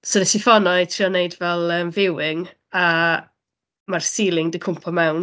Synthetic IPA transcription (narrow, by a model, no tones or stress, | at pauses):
soðətifɔnɔejtʰriɔneɨdvɛlˠəmvɪwɪŋ | a | marsiːlˠɪŋdəkʰʊmpʰɔmɛwn